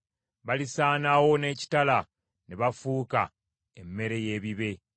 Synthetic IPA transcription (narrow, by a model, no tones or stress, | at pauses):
βalisaːnawo̞ne̞ːci̥tala | neβafuːka̰ | emːe̞ɾe̞je̞ːβiβe̞